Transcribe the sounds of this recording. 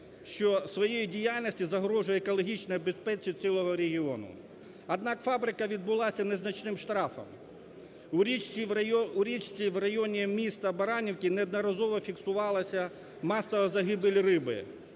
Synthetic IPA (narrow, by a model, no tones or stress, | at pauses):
ʃt͡ʃɔsʋɔjejidʲijalʲnɔsʲtʲizɐɦɾɔʒʊjɛekɔlˠɔɦʲit͡ʃnɔjɐbespɛt͡ʃisʲilˠɔɦɔɾʲeɦʲiɔnʊ̰ | ɐd̪nɑkfɑbɾɪkɐʋʲid̪̚bʊlˠɑsʲɐneznɐt͡ʃnɪmʃt̪ɾɑfɐ̰m | uɾʲit͡ʃʲiuɾʲit͡ʃt͡sʲiʋrɐjɔnʲimʲist̪ɐbɐɾɑnʲiwkʲinɛɐd̪nɐɾɐzɔʋɔfʲiksʊʋɑlˠɐsʲɐ | mɑsːɐʋɐzɐɦɪbelʲrɪbɪ̰